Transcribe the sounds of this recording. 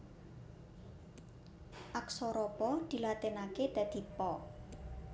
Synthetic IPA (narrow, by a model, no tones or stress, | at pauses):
ʔaksɔɾɔpɔd̪̥i̤lat̪enaked̪̥ä̤d̪̥i̤pɔ